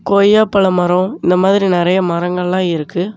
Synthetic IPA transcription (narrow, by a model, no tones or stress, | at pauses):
koːjaːpːɐɭɐmɐɾɔ̃ɪnd̪ɐmaːðɪɾinɪɾɐjɐmɐɾɐŋɡɐɭlãːɪɾɯkːɯ